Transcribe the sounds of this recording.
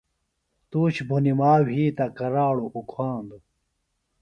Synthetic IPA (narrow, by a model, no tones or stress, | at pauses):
t̪uːt͡ɕbʱunimaːwʱiːt̪ɐkɐɾaːɽoʔukʰwaːnd̪u